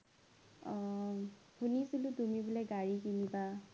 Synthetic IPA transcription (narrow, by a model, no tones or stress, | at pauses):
hʰunisulutumibulaɡaɹikiniba